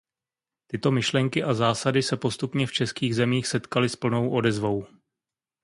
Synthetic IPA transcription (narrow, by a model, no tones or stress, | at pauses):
t̪ɪt̪o̞mɪʃlɛŋkɪʔazaːsadɪsɛpo̞st̪upɲɛft͡ʃɛskiːɣzɛmiːxsɛt̪kalɪspl̩no̞wʔo̞dɛzvo̞w